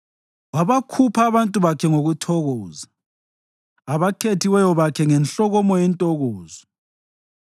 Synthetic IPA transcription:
waβakʰupʰaːβantʼuβakʰɛŋoɣutʰɔɣɔːza | βaǃʰetʰiwɛjɔβakʰɛŋɛnɬɔɣɔmɔjɛntʼɔɣɔːzɔ

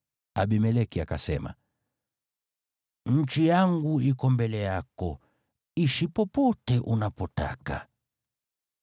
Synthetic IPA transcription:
aɓimɛlɛkiakasɛma̰ | ɲ̩t͡ʃijaŋɡuikɔmbɛlɛjakɔ | iʃipɔpɔtɛʔunapɔta̰ka̰

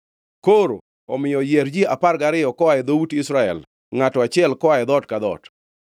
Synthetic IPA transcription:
koɾo | ɔmɪjɔjɛɾd͡ʒiapaɾɡaɾɪjɔkɔaɛd̪owutɪsɾaɛ̰l | ŋatɔat͡ʃɪɛlkɔaɛd̪ɔtkad̪ɔ̰t

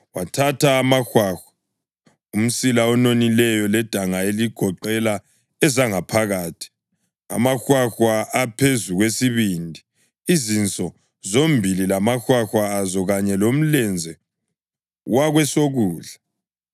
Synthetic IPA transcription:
watʰatʰaːmaxwaːxwḁ | um̩silaɔnonilɛjɔlɛd̥ʱaŋaeliɡ̥ʱɔǃɛla | ɛzaŋapʰaɣaːtʰi̥ | a̰maxwaxwaʔapʰezuɣwesiβindʱi | izint͡sʼɔ | zombʱililamaxwaxwaːzɔɣaɲɛlom̩lɛnd͡zʱɛ | waɣwɛsoɣuːɮa

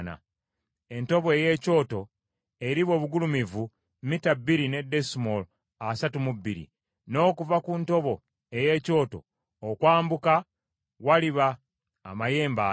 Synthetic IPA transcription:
na̰ | e̞nto̞βoeje̞ːco̞ːto̞ | e̞ɾiβo̞ːβuɡulumivu | mitabiɾine̞desimol | asatumubːiɾḭ | no̞ːkuvakunto̞βo̞ | eje̞ːco̞ːto̞ː | kwaːmbuka | waliβaː | maje̞ːmba

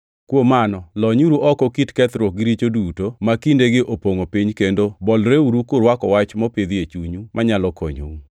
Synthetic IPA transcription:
kwomanɔlɔɲuɾuʔɔkɔkitkɛt̪ɾokɡɪɾit͡ʃodutomakindeɡɪʔopoŋopiɲkendobɔlɾeuɾukʊɾwakɔwat͡ʃmɔpid̪iet͡ʃuɲumʔaɲalɔkʰo̰ɲo̰

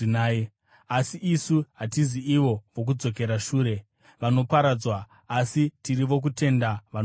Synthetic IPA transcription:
inaːi | asiʔisuɦatiziiʋo̞ʋo̞k̬ud͡zo̞k̬e̞ɾaʃuːɾe̞ | ʋano̞paɾad͡zwaː | sitiɾiʋo̞k̬ute̞ndaʋan

